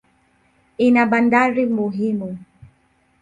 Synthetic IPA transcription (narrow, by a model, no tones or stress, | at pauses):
inaɓandaɾimuɦimu